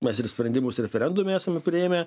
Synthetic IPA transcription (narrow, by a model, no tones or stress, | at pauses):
mʲɛsɪɾsʲpʲɾʲɛnʲd̪ʲɪmoːsɾʲɛfʲɛɾʲɛnd̪ʊmʲɛæːsɐmʲɛpʲɾʲɪeːmʲɛ